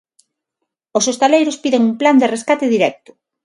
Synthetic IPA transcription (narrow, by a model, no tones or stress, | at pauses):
osost̪alejɾospiðeŋumpland̪ereskat̪eðiɾɛk̚t̪ʊ̥